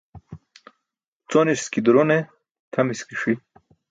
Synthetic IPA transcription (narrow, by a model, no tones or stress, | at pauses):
t͡soniskid̪uɾone | t̪ʰɐmiskiʂwi